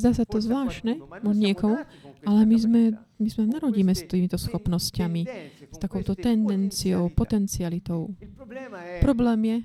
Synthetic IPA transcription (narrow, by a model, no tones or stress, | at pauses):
zd̪aːsat̪ɔzʋlaːʃnɛmɔɲɪɛkɔmu | ʔalɛmizmɛ | mizmɛnaɾɔɟiːmɛst̪iːmit̪ɔsxɔpnɔscamist̪akɔʊt̪ɔt̪ɛnd̪ɛnt͡siɔʊpɔt̪ɛnt͡sialit̪ɔʊ | pɾɔblɛːmjɛ